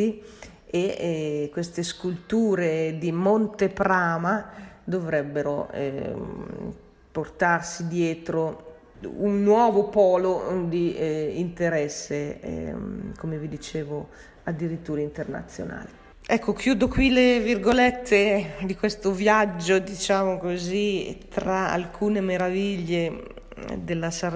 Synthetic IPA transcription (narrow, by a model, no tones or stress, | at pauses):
i | ekːwest̪eskult̪uːɾed̪imont̪epɾaːmad̪ovɾɛbːeɾoɛ̰ | port̪arsid̪jɛːt̪ɾo | unːwɔːvopɔːlod̪iint̪eɾɛsːḛ | komevid̪it͡ʃeːvo | ad̪ːiɾit̪ːuːɾaint̪erna̰t̪sːjo̰na̰ːli | ɛkʰːok̟juːd̪okwilevirɡolɛt̪ʰːed̪ikwest̪ovjad͡ʒːod̪it͡ʃaːmokozit̪ɾaa̰lkʰuːnemeɾaviʎːe | d̪elːasa